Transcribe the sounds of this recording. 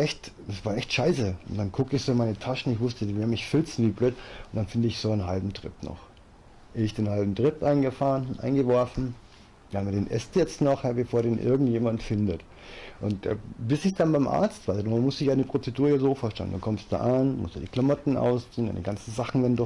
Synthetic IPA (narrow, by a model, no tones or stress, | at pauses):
ʔɛçtd̥asv̥aːɐʔɛçtʃaɪsəʊntd̥ankʰʊkəɪçz̥oːɪnmaɪnətʰaʃn̩ɪçv̥ʊstədivɪɐmɪçfɪlt͡sn̩viːbløːtʊntd̥anfɪndəɪçz̥oːanɦalbm̩tʁ̥ɪ̰pnɔ̰χ | ʔɛɪçd̥eːnhalbm̩tʁ̥ɪpʔaɪnɡəfaːʁənnʔa̰ɪnɡəvɔɐfn̩̥ː | haːmɐdeːnʔɛ̰stjɛt͡stnɔχhabəfoːɐdeːnʔɪ̰ɐɡŋ̩tjeːmantfɪndət | ʔʊntːbɪsɪçd̥anbaɪmʔa̰ɐt͡stv̥aɪzdumʊsd̥ɪçjaːnəpʁ̥ot͡sɛduːɐjaːzoːfoːɐʃtɛ̰lənd̥ankʰɔmstd̥a̰ːʔanmʊ̰std̥aːd̥iːkʰlamɔtn̩ʔa̰ʊsiːnda̰ndiɡansn̩zaχn̩vndɔ